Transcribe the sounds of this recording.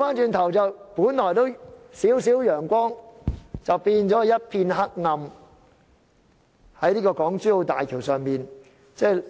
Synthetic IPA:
faː˥nt͡ʃyː˧nt̪ʰɐ˨˩wt͡sɐ˨wpuː˨˥nlɔː˨˩jt̪o˥wsiː˨˥wsiː˨˥wjœː˨˩ŋkʷɔː˥ŋt͡sɐ˨wpiː˧nt͡ʃɔː˨˥jɐ˥t̚pʰiː˧nɦa˥k̚ŋɐ˧m | hɐ˨˥jliː˥kɔː˧kɔː˨˥ŋt͡syː˥o˧t̪aː˨jkʰiː˨˩wsœː˨ŋmiː˨n | t͡sɛː˥j

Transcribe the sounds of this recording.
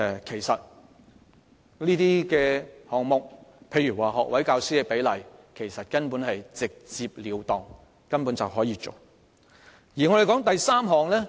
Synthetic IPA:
kʰe˨˩jsɐ˨t̚ | liː˥t̪iː˥kɛː˧hɔː˨ŋmʊ˨k̚pʰe˧jyː˨˩waː˨˩ɦɔː˨k̚wɐ˨˥jkaː˧wsiː˥kɛ˧pe˨˥jlɐ˨˩jkʰe˨˩jsɐ˨t̚kɐ˥npuː˨˥nhɐ˨jt͡sɪ˨k̚t͡siː˧p̚liː˨˧wt̪ɔː˨˩ŋ | kɐ˥npuː˨˥nt͡sɐ˨wɦɔː˨˥jiː˨˧t͡so˨w | jiː˨˩ŋɔ˨˧ɾe˨kɔː˨˥ŋt̪ɐ˨jsaː˥mɦɔː˨ŋlɛː˥

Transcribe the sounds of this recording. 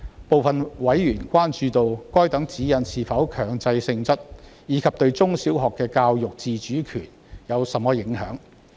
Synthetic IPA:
po˨wfɐ˨nwɐ˨˥jjyː˨˩nkʷaː˥nt͡ʃyː˧t̪o˧wkɔː˥jt̪ɐ˨˥ŋt͡siː˨˥jɐ˨˧nsʰiː˨fɐ˨˥wkʰœː˨˩ŋt͡sɐ˧jsɪ˧ŋt͡sɐ˥t̚jiː˨˥kʰɐ˨p̚t̪ɵ˧ɥt͡sʊ˥ŋsiː˨˥wɦɔː˨kːɛː˧kaː˧wjʊ˨k̚t͡siː˨˧t͡ʃyː˨˥kʰy̰ː˨˩n | jɐ˨˧wsɐ˨˥mːɔː˧˥jɪ˨˥ŋɦœ̰ː˨˥ŋ

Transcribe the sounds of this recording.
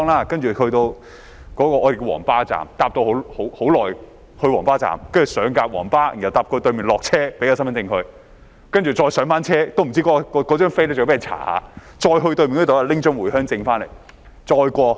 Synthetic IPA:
ŋlaː˥kɐ˥nt͡ʃyː˨hɵ˧t̪o˧w | kɔː˨˥kɔː˧ʔɔː˨˧e˨˩kɔ˧wɔ̰ː˨˩ŋpaː˥t͡sa̰ː˨˩mt̪aː˧p̚t̪o˧who˨˥who˨˥ho˨˥wlɔː˨˩j | hɵ˧ɥwɔː˨˩ŋpaː˥t͡sa̰ː˨˩mkɐ˥nt͡ʃy˨˩sœː˨˧ŋkaː˧p̚wɔ̰ː˨˩ŋpaː˥˨˩jɐ˨wt̪aː˧p̚kɔː˧t̪ɵ˧ɥmiː˨˩nlɔː˨k̚t͡sʰɛː˥pe˥ja˧sɐ˥mɐ˧˥nt͡sɪ˧ŋhɵ˧ɥ | kɐ˥nt͡ʃy˨t͡sɔː˧jsœː˨˥ŋfaː˥nt͡sʰɛː˥t̪o˥wm˨˩t͡si˥kɔ˧˥ɔ˧kɔ˨˧kɔ˨˧˥t͡ʃœː˥ŋfe˥jlɛ˥t͡ɕo˨˧˥pe˥˨˩t͡sʰa̰ː˨˩ha̰ː˨˦ | t͡ʃɔː˧jɦɵ˧t̪ɥmiː˨nkʰːt̪o˨˦a˨˧lɪ˥ŋt͡ʃœ˥ŋwuː˨˩jhœː˥ŋt͡sɪ˧ŋfaː˥nlḛ˨˩j | t͡sɔː˧jkʷɔː˧

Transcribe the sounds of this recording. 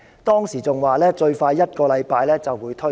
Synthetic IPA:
t̪ɔː˥ŋsiː˨˩t͡sʊ˨ŋwaː˨˩lɛː˥t͡ʃɵ˧ɥfaː˧jːɐ˥t̚kɔː˧lɐ˨˧jpaː˧jlɛː˥t͡sɐ˨wuː˨˧jt̪ʰɵ˥

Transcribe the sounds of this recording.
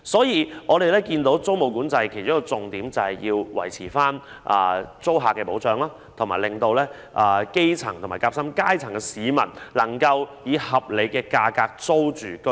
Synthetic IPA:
sɔː˨˥jiː˨˧ʔɔː˨˧d̪e˨jlɛː˥kiː˧nt̪o˨˥wt͡so˥wmo˨˧wkuː˨˥nt͡sɐ˧jkʰe˨˩jt͡sʊ˥kːɔ˧t͡sʊ˨ŋt̪iː˨˥mt͡sɐ˨whɐ˨jjiː˧wwɐ̰˨˩jt͡sʰiː˨˩faː˥n | ʔa̰ː˨˩t͡so˥wɦaː˨kːɛː˧po˨˥wt͡sœː˨˧ŋlaː˥ | t̪ʰʊ˨˩ŋmaː˨˩lɪ˨ŋt̪o˧wlɛː˥ | ʔa˨˧ke˥jt͡sʰɐ˨˩ŋt̪ʰʊ˨˩maː˨˩kaː˧˥psɐ˥mkaː˥jt͡sʰɐ˨˩ŋkɛ˧siː˨˧mɐ˨˩nlɐ˨˩ŋkɐ˧wjiː˨˧hɐ˨p̚le˨˧jkɛː˧kaː˧kaː˧k̚t͡so˥wt͡ʃyː˨kɵ˥

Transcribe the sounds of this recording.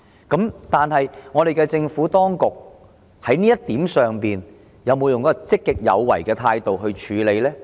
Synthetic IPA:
kɐ˨˥mt̪aː˨nɦɐ˨jŋɔː˨˧ɾe˨jkɛː˧t͡sɪ˧ŋfuː˨˥t̪ɔː˥ŋkʊ˨k̚ | hɐ˨˥jniː˥jɐ˥tt̪iː˨˥msœː˨˩ŋpiː˨˩n | jɐ˨˧wmo˨˧wjʊ˨ŋkɔː˨˥kɔ˥˧t͡sɪ˥kːɪ˨k̚jɐ̰˨˧wːɐ̰˨˩jkɛː˧t̪ʰaː˧jt̪o˨wɦɵ˧ɥt͡ʃʰyː˨˧le˨˧jlɛː˥

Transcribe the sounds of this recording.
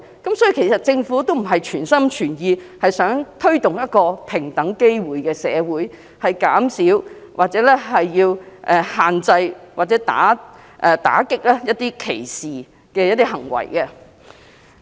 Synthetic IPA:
kɐ˨˥msɔː˨˥i˧kʰe˨˩jsɐ˨˩t̚t͡sɪ˧ŋfuː˨˥t̪o˥wm̩˨˩ɦɐ˨jt͡ʃʰyː˨˩nsɐ˥mt͡ʃʰyː˨˩njiː˧hɐ˨jsœː˨˥ŋt̪ʰɵ˥ɥt̪ʊ˨ŋjɐ˥t̚kɔː˧pʰɪ˨˩ŋt̪ɐ˨˥ŋke˥jwuː˨˥jkɛː˧sɛː˨˧wuː˨˥j | hɐ˨jkaː˨˥msi˨˥w | wʔaː˨t̚t͡sɛː˨˥lɛ˥ɦɐ˨jːiː˧wʔɛ˧haː˨nt͡sɐ˧jwʔaː˨t̚t͡sɛː˨˥t̪a̰ː˨˥ | ʔɛ˧˩t̪a̰ː˨˥kɪ˥k̚lɛː˥jɐ˥t̚t̪iː˥kʰe˨˩jsiː˨ | kɛː˧jɐ˥t̪̚ːiː˥ɦɐ˨˩ŋwɐ̰˨˩jkɛ˧

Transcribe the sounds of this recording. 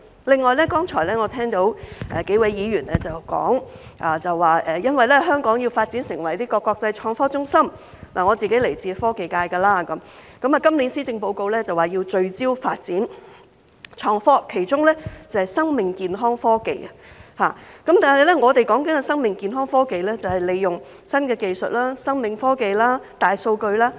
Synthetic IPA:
lɪ˨ŋːɔː˨jlɛ˥kɔː˥ŋt͡ʃʰɔː˨˩jlɛː˥ŋɔː˨˧t̪ʰɛː˥ŋt̪o˨˥wʔɛ̰˨ke˨˥jwɐ˨˥jjiː˨˧ɥyː˨˩nɛ˥t͡sɐ˨wkɔ̰ː˨˥ŋʔaː˨t͡sɐ˨waː˨ʔɛː˨jɐ˥nwɐ˨jlɛ˥ɦœː˥ŋkɔː˨˥ŋji˧wfaː˧t̚t͡siː˨˥nsɪ˨˩ŋwɐ˨˩jt̪iː˥kɔː˧kːɔː˧k̚t͡sɐ˧jt͡ʃʰɔː˧ŋfɔː˥t͡sʊ˥ŋsɐ˥m | laː˨˩ŋɔː˨˧t͡siː˨ke˨˥jle˨˩jt͡siː˨˧fɔː˥ke˨jkaː˧jkɐː˧laː˥kɐ˨˦mkɐ˨˥maː˨kɐ˥mliː˨˥nsiː˥t͡sɪ˧ŋpo˧wko˧wlɛː˥t͡sɐ˨waː˨jiː˧wt͡ʃɵ˧ɥt͡siː˥wfaː˧t̚t͡siː˨˥n | t͡ʃʰɔː˧ŋfɔː˥kʰe˨˩jt͡ʃʊ˥ŋlɛ˥t͡sɐ˨˩hɐ˨˩jsɐ˥ŋmɪ˨ŋkiː˨nɦɔː˥ŋfɔː˥ke˨jhaː˨˩kɐ˨˥mt̪aː˨˩nɦɐ˨jlɛ˥ŋɔː˨˧t̪e˨jkɔː˨˥ŋkɐ˨˦nkɐ˧sɐ˥ŋmɪ˨ŋkiː˨nɦɔː˥ŋfɔː˥ke˨jlɛː˥t͡sɐ˨whɐ˨jle˨˧jjʊ˨ŋ | sɐ˥nkɛː˧ke˨jsɵ˨t̚laː˥sɐ˥ŋmɪ˨ŋfɔː˥ke˨jlaː˥t̪aː˨jso˧wkɵ˧ɥlaː˥

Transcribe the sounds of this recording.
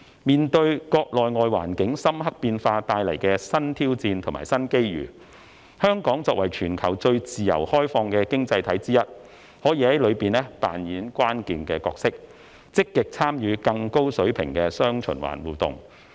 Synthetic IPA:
miː˨nt̪ɵ˧ɥkɔː˧k̚lɔː˨˩jŋɔː˨jwa̰ː˨˩nkɪ˨˥ŋsɐ˥mhɐ˥k̚piː˧nfaː˧t̪aː˧jlɐ˨˩jkɛː˧sɐ˥nt̪ʰiː˥wt͡siː˧nt̪ʰʊ˨˩ŋma̰ː˨˩jsɐ˥nke˥jjy̰ː˨˩ | hœː˥ŋkɔː˨˥ŋt͡sɔː˧k̚wɐ˨˩jt͡ʃʰyː˨˩nkʰɐ˨˩wt͡sɵ˧ɥt͡siː˨jɐ̰˨˩whɔː˥jfɔː˧ŋkɛː˧kɪ˥ŋt͡sɐ˧jt̪ʰɐ˨˥jt͡siː˥jɐ˥t̚ | hɔː˨˥jiː˧˩hɐ˨˦jlɵ˨˧piː˨nlɛː˥pa̰ː˨njiː˨˥nkʷwaː˥nkiː˧nkɛː˧kɔː˧k̚sɪ˥k̚ | t͡sɪ˥kːɪ˨k̚t͡sʰaː˥mjyː˨˧kɐ˧ŋko˥wsɵ˨˥ɥpʰɪ̰˨˩ŋkɛː˧sœː˥ŋt͡ʃʰɵ̰˨˩nwa̰ː˨˩nwuː˨˩t̪ʊ̰˨ŋ

